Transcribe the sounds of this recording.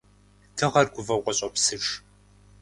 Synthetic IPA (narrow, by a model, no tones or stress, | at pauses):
tʰɨʁɐrɡʷʊvɐwqʷɔɕʼɐpsɨʈ͡ʂ